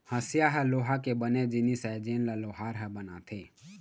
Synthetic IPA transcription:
həsɪjaɦɛloːɦakebəned͡ʒɪnisɛd͡ʒeːnlaloːɦaːɾɦɛbəna̰t̪ʰeː

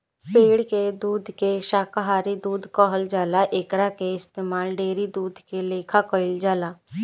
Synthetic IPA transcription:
peːɽked̪uːd̪ʱkeʃaːkaɦaːɾid̪uːd̪ʱkɔːɦəld͡ʒaːlaʔeːkɾakeɪst̪eːmaːlɖeːɾid̪uːd̪ʱkeleːkʰakɔɪld͡ʒaːlaː

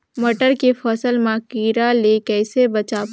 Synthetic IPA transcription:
məʈəɾkefʰɔːsəlmãkiːɾalekɛːsebɐt͡ʃaː

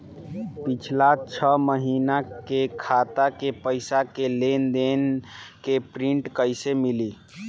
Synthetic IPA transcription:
pit͡ʃʰlat͡ʃʰəməɦiːnakekʰaːt̪akepəɪsakelend̪enkepɾiɳʈkəɪsemili

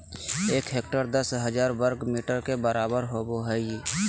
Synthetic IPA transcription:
eːkɦeːk̚ʈəɾd̪əsɦəd͡ʒaːɾʋəɾɡmiːʈəɾkebəɾaːbəɾɦoːboɦɛ

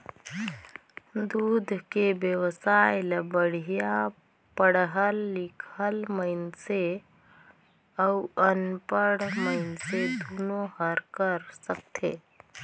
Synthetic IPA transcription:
d̪ud̪ʱkebjəwsajləbəɽ̤ija | pəɽɦəlːikʰəlməɪnse | əuʔənpəɽməɪnsed̪ʱunoɦəɾkəɾsək̚t̪ʰe

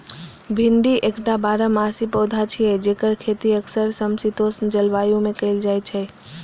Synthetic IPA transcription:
bʱɪɳɖiʔekʈabaːɾamaːsipɔːd̪ʱat͡ʃʰiɛd͡ʒeːkəɾkʰeːt̪iəksəɾsəmsit̪oːsnd͡ʒɐlʋaːjõmẽkəɪld͡ʒaːjt͡ʃʰɛ

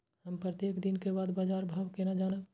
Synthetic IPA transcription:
həmpɾət̪jeːkd̪ɪnkebaːd̪baːd͡ʒaːɾbʱaːʋkenad͡ʒaːnə

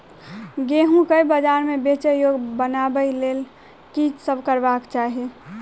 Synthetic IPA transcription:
ɡeɦũkəibəd͡ʒaɾmẽbet͡ʃəjoɡbənabəilel | kit͡ʃsəbʱkəɾbakt͡ʃaɦi

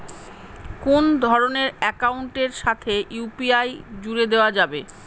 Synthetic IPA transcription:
kund̪ʱɔɾoneɾɛkauɳʈeɾʃat̪ʰejupiajd͡ʑuɾed̪eoad͡ʑabe

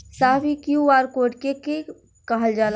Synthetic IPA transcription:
saːbikjuaːɾkoːʈkeke | kəɦəld͡ʒaːl

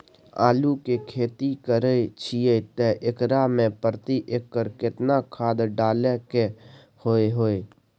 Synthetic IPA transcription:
aːlukekʰeːt̪ikəɾet͡ʃʰijet̪eʔɪkɾamẽpəɾt̪iʔekːəɾkɪt̪nakʰaːd̪ɖaːleke | hoːeɦoːe

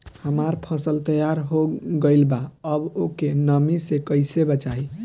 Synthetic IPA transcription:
həmaɾpʰəsəlt̪əjaɾɦoɡəɪlbaəbokenəmisekəɪsebat͡ʃai

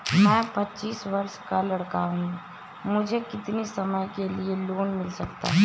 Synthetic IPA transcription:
mɛ̃ːpɐtːt͡ʃiːsʋɐɾʃkalɐɽkaɦũːɡ | mʊd͡ʒʱekɪt̪nisɐməjkelieloːnmɪlsɐkt̪a̰ɦ

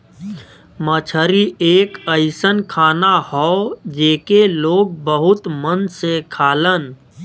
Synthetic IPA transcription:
mət͡ʃʰəɾieːkəɪsənkʰaːnahɔd͡ʒeːkeloːɡ̚bəɦʊt̪mənsekʰaːlən

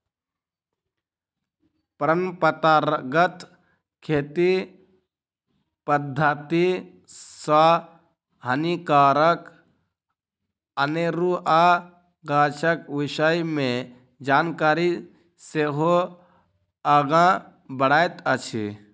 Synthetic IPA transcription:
pəɾəmpət̪aːɾɡət̪ | kʰeːt̪i | pəd̪ʱːat̪i | sa | ɦənikaːɾək | əneɾuʔa | ɡaːt͡ʃəkʋɪʃəjmẽ | d͡ʒaːnkaːɾi | seːɦo | əɡã | bəɽaːet̪ət͡ʃʰḭ

